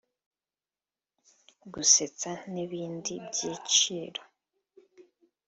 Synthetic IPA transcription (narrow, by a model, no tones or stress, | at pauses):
ɡuse̞t͡saniβiːndibɟiːt͡ʃiːɾo